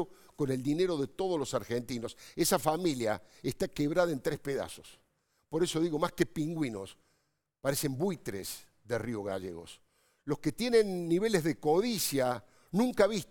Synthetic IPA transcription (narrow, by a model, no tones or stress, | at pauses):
o | ko̞ne̞ld̪ine̞ɾo̞ðet̪o̞ð̞olo̞saɾxent̪ino̞se̞safamilja̰est̪akeβɾaðaent̪ɾehpeða̰so̞̥s | po̞ɾe̞so̞ðiɣo̞maskepiŋɡwino̞s | paɾese̞mbujt̪ɾḛs | ðerioɣa̰ʒḛɣo̞̰s | lo̞sket̪je̞nẽ̞nːiβe̞lezðeko̞ðisja | nũŋkaβist